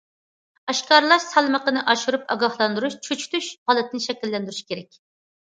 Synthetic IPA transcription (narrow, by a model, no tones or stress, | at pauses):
ɑʃkɑɾlˠɑʃsɑlˠməqənɨʔɑʃuɾupɑ̰ɡɑhlˠɑnd̪uɾuʃt͡ʃʰøt͡ʃʰt̪yʃʁɑlˠɨt̪ʰɪnɪʃɛkʲilːɛnd̪yɾyʃkʲeɾɛk̚ʲ